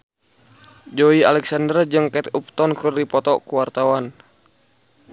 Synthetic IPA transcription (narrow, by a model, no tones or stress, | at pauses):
d͡ʒoialɛksandərd͡ʒɨŋkɛt̪up̚t̪ɔnkɨrdipɔt̪ɔkuwart̪awan